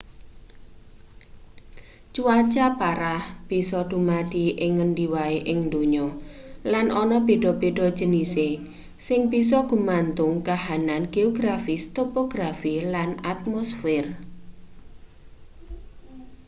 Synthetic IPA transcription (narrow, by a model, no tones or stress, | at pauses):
t͡ʃuat͡ʃapaɾahb̥isɔɖ̥ṳmad̥iʔɪŋːənɖiwaeʔɪŋnd̪oɲɔlanʔɔnɔb̥eɖ̥ɔ̤b̥eɖ̥ɔ̤̥d͡ʒ̥ə̤nise | sɪŋb̥is̬ɔɡ̥ṳmant̪ʊŋkahananɡ̥eoɡɾafist̪opoɡ̥ɾafilanat̪̚mosfɪr